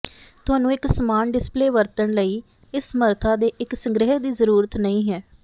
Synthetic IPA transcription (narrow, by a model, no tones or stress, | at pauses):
t̪ʊɦaːnũːɪksəmaːnɖɪspleːʋəɾt̪əɳləiː | ɪsːməɾt̪ʰaːd̪eːʔɪksəŋɡɾɪɦəɦd̪iːzəɾuːɾət̪nəĩːɦɛː